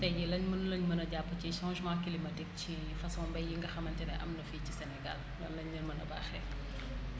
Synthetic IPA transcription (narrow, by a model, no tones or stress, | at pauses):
tɛjɛlɐɲmɐnlɐɲmɐnɐɟapːəciʃãnʒmakːilimɐdɛk̚ci | fɐsɔːmbɐjjiŋɡɐxɐmɐntɛnɐʔɐmnɐficisɛnɛɡa̰l | lɔnlɐɲnɐnmɐnɐba̰ːxɛ